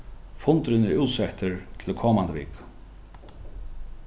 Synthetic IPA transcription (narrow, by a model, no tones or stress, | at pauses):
fʊnt̪ɾɪnɪɹuwt̪sɛht̪əɹt̪ʰɪlkʰɔːmand̪əvḭːk